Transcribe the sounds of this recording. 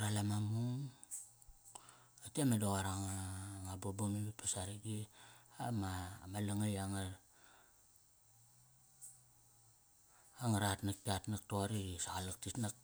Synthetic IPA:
ɾalamamuŋ | atemadoɣaɾaŋaŋabobomibipasaɾiɡiamamalaŋajaŋa | aŋaɾatnak̚tiatnak̚toɾisaɣalak̚titnak̚

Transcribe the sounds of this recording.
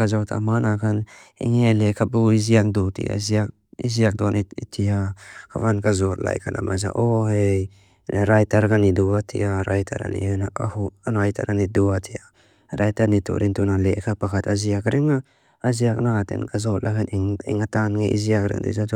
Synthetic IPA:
kazawtʰa̰manakʰanḭŋelekʰabuiziakdutḭa̰ziak̚ | iziak̚doniḭtʰiakʰavankazotla̰jkʰanʔa̰mʔaza̰ʔohej | naɾajtaɾɡaniduatʰiaɾajtʰa̰ɾa̰nḭnaʔahuanoajtʰa̰ɾaniduatʰia | ɾajtanitṵɾint̪unalekʰapakʰat̪aziakɾʔiŋa | aziak̚natḛnkazot̚lʔakaniŋḭŋatanŋeʔḭziakɾḭŋdḭzat

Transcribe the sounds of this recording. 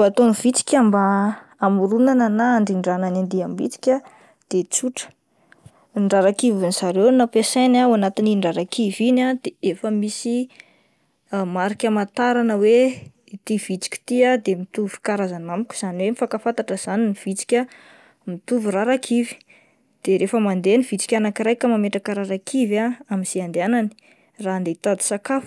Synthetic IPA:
at̪omiv̥it͡si̥kʲambaamuɾunanənaːɳɖ͡ʐiɳɖ͡ʐananand̪iambit͡si̥kʲa | d̪̥et͡suʈ͡ʂə̥ | ɳɖ͡ʐaɾakivinizaɾewnapesanaanat̪iniɳɖ͡ʐaɾakʰivinad̪̥eefəmisi | maɾikʲəmat̪aɾanəwe | it̪iv̥it͡si̥kʲi̥t̪iad̪emit̪uvu̥i̥kaɾazanamkʲu̥z̥aniwemifakafant̪aʈ͡ʂəz̥aniniv̥it͡si̥kʲə | mit̪uviraɾakʰivi̥ | d̪̥eɾefəmand̪eniv̥it͡si̥kʲanakiɾajkəmameʈ͡ʂakəɾaɾakʰivaamiz̥iand̪eanani̥ | rand̪et̪ad̪i̥sakaf

